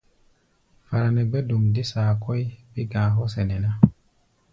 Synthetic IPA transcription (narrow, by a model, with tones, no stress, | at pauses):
fa˨ɾa˨nɛ˨ɡ͡be˦du˨ŋdi˦saː˨kɔ˦jbi˦ɡãː˨ɦɔ˦sɛ˨nɛ˨na˦